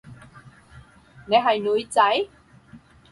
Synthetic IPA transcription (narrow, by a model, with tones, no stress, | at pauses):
ŋa˨˩jɦa˨˩jnu˧˨˦jt͡sa˧˦j